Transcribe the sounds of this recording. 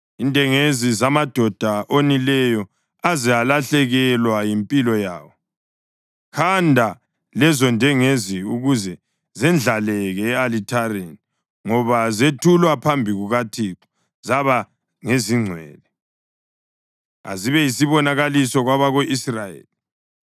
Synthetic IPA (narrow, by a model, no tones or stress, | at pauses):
indʼʱɛŋezizamad̥ʱɔd̥ʱaʔonilɛjɔ | azijalaɬɛɣɛlwajimpʼilɔja̰ːwɔ | kʰandʱa | lɛzɔndʱʼɛŋeziuɣuzɛ | zɛnd͡ɮʱalɛɣɛːalitʰaɾeni | ŋɔβazetʰulwapʰambʱiɣuɣatʰiǁɔ̥ | zaβa | ŋeziŋ͡ǀʱwɛ̰ːlɛ | a̰ziβɛjisiβɔnaɣalisɔɣwaβaɣoʔisrajḛːli